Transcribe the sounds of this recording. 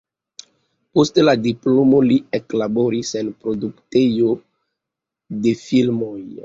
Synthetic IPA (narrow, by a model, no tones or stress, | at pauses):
posteladiplo̞mo̞lieklabo̞ɾisenpɾoduktejo | de̞filmo̞j